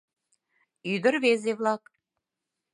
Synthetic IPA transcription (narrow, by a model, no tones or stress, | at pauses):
yd̪ə̆ɾβezeβlˠɑk